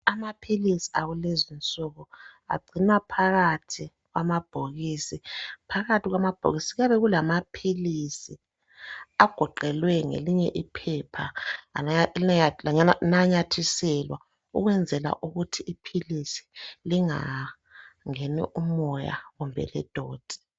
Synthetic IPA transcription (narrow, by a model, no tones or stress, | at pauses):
amapʰilisi̥aɣulezint͡sʼɔɣɔa̰ɡ͡ǀʱinwapʰaɣatʰi | ɣwamab̥ʱoɣisipʰaɣatiɣwamab̥ʱo̰ɣisiɣaβɛɣulamapʰilisi | aɡ̥ʱɔǃɛlwɛŋḛliɲɛʔipʰɛpʰa | laɲaanaɲatʰisɛlwa̰ | uɣwɛnd͡zʱɛla̰ʔuɣutʰiʔːpʰilisi̥liŋa̰ | ŋenḭʔumɔja̰ɣumbʱɛ̰lɛ̰d̥ʱɔːd̥ʱɛ̥